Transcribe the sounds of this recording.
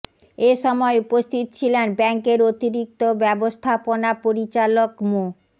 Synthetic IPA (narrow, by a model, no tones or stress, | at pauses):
eʃɔmɔeupost̪ʰit̪̚t͡ɕʰilenbɛŋkeɾot̪iɾik̚t̪obɛbost̪ʰaponapoɾit͡ɕalokmu